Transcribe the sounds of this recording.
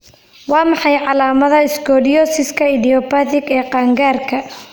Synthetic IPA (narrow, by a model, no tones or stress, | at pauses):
wɑːmɑħɑjʕɑlaːmɐðɐɪsɡɔːdɪjɔːsɪskʰɐɪðɪɔpaːðɪɡɛːqɑːŋɡaːrkʰɐ